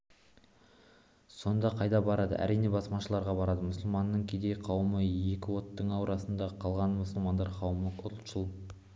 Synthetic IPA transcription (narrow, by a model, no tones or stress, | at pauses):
so̞nd̪ɑqʰɑjd̪ɑbɑɾɑd̪ə̰ʔæ̰ɾijne̞bɑsmɑʃəlˠɑɾʁɑbɑɾɑd̪əmʊsəlˠmɑnːəɴkʲʰed̪e̞jqʰɑwməje̞kʲɪwo̞t̪ːəɴɑwɾʔɑsənd̪ɑqʰɑlˠʁɑnmʊsəlˠmɑnd̪ɑɾqʰɑwəməqʰʊɾlˠʃəlˠə